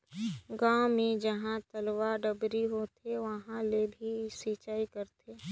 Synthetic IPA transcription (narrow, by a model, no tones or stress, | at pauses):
ɡãːmẽd͡ʒɐɦãt̪ɐlʋaɖəbɾiɦoːt̪ʰeʋɐɦãlebʱisiːt͡ʃaːikəɾt̪ʰeː